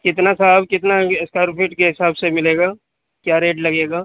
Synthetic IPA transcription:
kɪt̪nasabkɪt̪naskaːɾpʰɪʈkeɦɪsaːbsemɪleːɡaː | kjaːɾeːʈlɐɡeːɡaː

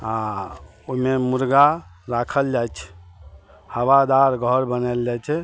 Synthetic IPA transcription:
ɦã | umemuɾɡaɾakʰəld͡ʒajt͡ʃʰɛ̥ | həwad̪aɾɡʱəɾbənɛld͡ʒajt͡ʃʰɛ

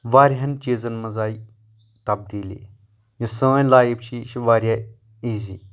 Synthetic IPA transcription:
ʋaːɾiɦɐnt͡ʃiːzɐnmɐzaːi | t̪ɐb̚d̪iːlḭ | jɐsəːlaːjibt͡ʃʰiʃʋaːɾʲja | iːziː

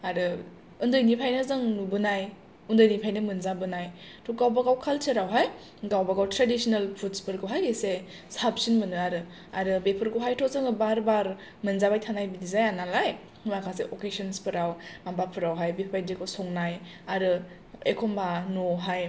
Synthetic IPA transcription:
aɾɯ | undɯjnipʰajnɯzɯŋnubɯnaj | undɯjnipʰajnɯmɯnzabɯnaj | tʰɔɡawbaɡawkʰalsʰɯɾawɦaj | ɡawbaɡawtɾadisinalpʰutspɯɾɡɯwɦajɡese | sap̚sinmɯnɯaɾɯ | a̰ɾɯbepʰɯɾɡɯwɦajtʰɔzɯŋɯbaɾbaɾ | mɯnzabajtʰanajbidizajanalaj | makʰaseʔokesɔnspʰɯɾawmambapʰɯɾawɦajbepʰbajdikʰɔsɔŋnaj | aɾɯ | ekʰɔmbanoɦaj

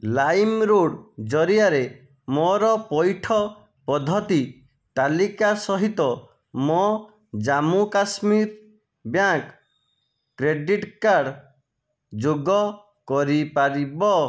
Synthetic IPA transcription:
lajmɾoɽd͡ʒɔɾijaɾe | mɔɾɔpɔjʈʰɔ | pɔd̪ʱɔt̪i | t̪alikasɔɦit̪ɔ | mɔ | d͡ʒamukasmiɾ | bjakː | ɾeɖiʈkaɾɖ | d͡ʒoɡɔ | kɔɾipaɾibɔ

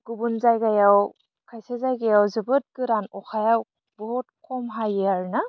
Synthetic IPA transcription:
ɡ̥ubunzajɡajaw | kʰajsezajɡajawzɯbɯt̚ɡɯɾanɔxʰajaw | bɔɦɔt̚kʰɔmɦajaɾna

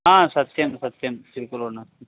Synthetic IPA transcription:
ãːsɐt̪jɐmsɐt̪jɐmt̪ɪɾkːɐlona

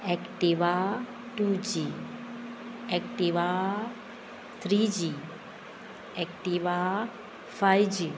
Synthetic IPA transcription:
ɛkʈiʋa | ʈud͡ʒi | ɛkʈiʋa | t̪ʰɾid͡ʒi | ɛkʈiʋa | fajd͡ʒi

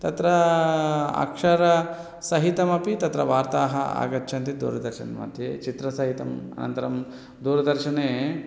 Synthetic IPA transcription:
t̪ɐt̪ɾɐ | ɐ̰kʂɐɾɐ | sɐɦit̪ɐmɐpit̪ɐt̪ɾɐʋaːɾt̪aːɦɐa̰ːɡɐtːt͡ʃʰɐnt̪id̪ṵːɾɐd̪ɐɾʃɐnmɐ̰d̪ʱjḛːt͡ʃit̪ɾɐsɐɦit̪ɐmɐ̰nɐ̰nt̪ɐɾɐm | d̪uːɾɐd̪ɐɾʃɐneː

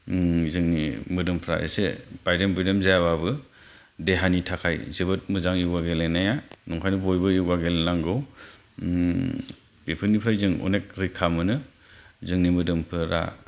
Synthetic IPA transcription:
zɯŋnimɯdɯmpʰɾa̰ḛseb̥ajdembɯjdemzajaβabɯ | deɦanitʰakʰajzɯbɯt̚mɯzaŋjɯwɡaɡelenajanɔŋkʰajnɯbojbɯjɯɡaɡelelaŋɡɯw | b̥epʰɯnipʰajzɯŋɔ̰nek̚ɾikʰamɯnɯ | zɯŋnimɯdɯmpʰɯɾa̰

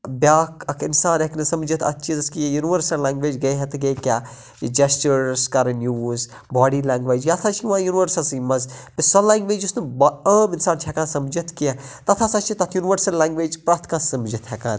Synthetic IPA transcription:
bʲjaːkʰɐkʰɪnsaːneknɨsɐmd͡ʒit̪ʰɐ̰t̪ːt͡ʃʰizɐskijjuniʋəɾsɐllːãːŋɡʋeːd͡ʒɡɐɦɐt̪ʰɡɐjkʲaː | d͡ʒɐst͡ʃuɾskɐɾnjuːz | baːɖilãːŋɡʋeːd͡ʒjat̪ʰat͡ʃʰiʋãːjunʋəɾsɐlsimɐzpisɔlãːŋɡʋeːd͡ʒusnɨbəːmɪnsaːnt͡ʃʰɛkãːnsɐmd͡ʒɐt̪ʰkiãt̪ɐt̪ʰaːsaːt͡ʃʰit̪ɐt̪ʰjuniʋəɾsɐlːãːŋɡʋeːd͡ʒpɾaːɾt̪ʰkãːsɐmd͡ʒit̪ʰɦɛkãːn

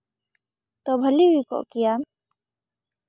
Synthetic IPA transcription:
t̪obʱəliɦikɔ̰ʔkijam

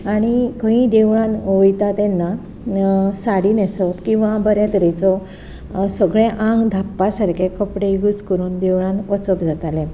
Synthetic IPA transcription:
aɽ̃ikə̃ɦĩd̪eʋɭãnojt̪at̪ɛnːa | saɽiːnesət̪kĩw̃ʋabəɾjat̪əɾet͡sɔ | səɡɭẽʔãŋɡd̪ʱapːasaɾkʰekəpɽeɡut͡skəɾuːnd̪eʋɭãnət͡səkd͡zat̪ale

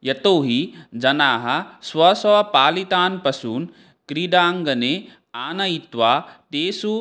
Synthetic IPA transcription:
jɐt̪oːɦid͡ʒɐnaːɦɐ̆swɐsɐɐpaːlit̪aːnpɐsuːn | kɾiɖ̪aːŋɡɐneː | aːnɐjit̪ʋaːt̪eːsu

